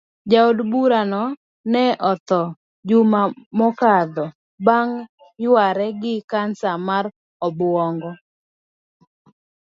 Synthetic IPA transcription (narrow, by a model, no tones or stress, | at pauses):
d͡ʒaodbuɾanɔ | nɛʔɔt̪ɔ | d͡ʒumamɔkad̪ɔ | baŋ | jwaɾɛɡɪkansamar | ɔbwɔŋɡɔ